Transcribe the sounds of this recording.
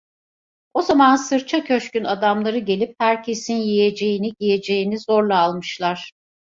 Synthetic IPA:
o̞zamansɯɾt͡ʃʰacʰøʃcynad̪amlˠaɾɯɟe̞lʲip̚hæɾcʰe̞sinjije̞d͡ʒe̞jiniɟije̞d͡ʒe̞jinizoɾlˠaːlˠmɯʃlˠaɾ̥

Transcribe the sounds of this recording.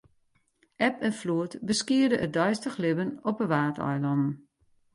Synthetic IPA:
ʔɛpənfluətbəskiərdəʔət̚dɔjstəxlɪbənɔpəʋaːtʰɔ̰jlɔndn̩

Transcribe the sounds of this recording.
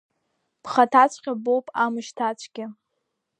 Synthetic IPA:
b̥χatʰat͡ʃʷʰʼqʲabowpʼamɨʃtʰat͡ʃʷʰʼɡʲɪ

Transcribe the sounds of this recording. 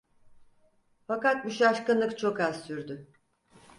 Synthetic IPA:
fakat̪̚muʃaʃkɯnlˠɯkt͡ʃʰo̞kaz̥syɾd̪ʏ

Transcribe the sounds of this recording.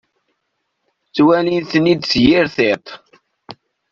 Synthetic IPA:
t͡sːwælinθnid̪sjiɾθɪt̪ˤ

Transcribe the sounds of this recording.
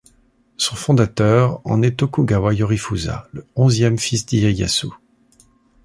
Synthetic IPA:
sɔ̃fɔ̃d̪at̪œʁɑ̰̃nɛt̪ɔkuɡawajɔʁifuza̰ləɔ̃zjɛmfisd̪ijaja̰su

